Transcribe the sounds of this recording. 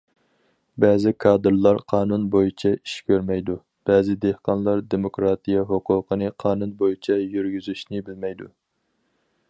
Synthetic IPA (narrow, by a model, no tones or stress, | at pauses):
bɛːzɪkʰɑːd̪ɨɾlˠɑɾqʰɑːnunbojit͡ʃʰɛi̥ʃkʲʰøɾmɛjd̪u | b̥ɛːzɪd̪ehqɑnlˠɑɾd̪emokɾɑːt̪ijɑɦoqʰʊːqʰənɨqʰɑːnunbojit͡ʃʰɛjyɾɡʲyzyʃnɪbɪlmɛjd̪u